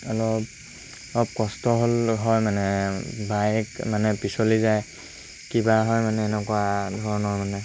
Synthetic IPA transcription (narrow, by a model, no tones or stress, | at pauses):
ɔlɔp̚ | ɔlɔp̚kɔstɔɦolɦɔjmanɛbajkmanɛpisɔlizaj | kibaɦɔjmanɛːnɛkuadʱɔɹɔnɔjmanɛ